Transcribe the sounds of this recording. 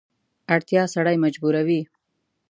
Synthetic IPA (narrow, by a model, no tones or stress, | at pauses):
aɽt̪jɑsaɽajmad͡ʒbuɾawi